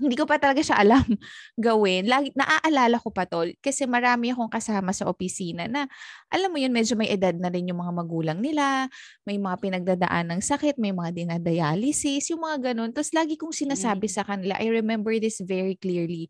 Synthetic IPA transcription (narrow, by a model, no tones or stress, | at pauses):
hɪnd̪iːkopɐt̪ɐlɐɡaʃaʔɐlamɡɐwɪnlaːɡnɐ̰ʔaʔɐlaːlɐko̞pɐt̪olkɐsɛmɐɾaːmɪɐko̞ŋkɐsaːmɐsɐʔopɪsiːnɐnɐʔɐlamːojonmɛd͡ʒo̞mɐjʔɛd̪ad̪̚nɐɾɪnjʊŋmɐŋamɐɡuːlɐŋnɪla | mɐjmɐŋapɪnɐɡ̚d̪aːd̪ɐ̰ʔanːɐŋsɐkɛt̪̚mɐjmɐŋad̪ɪnad̪ɐjaːlɪsɪsjʊŋmɐŋaɡɐno̞nt̪oslaːɡɪkʊŋsɪnaːsaːbɪsɐkɐnɪla̰ʔɐjɹɛmɛmbɛɹðɪsvɛɹikliɹli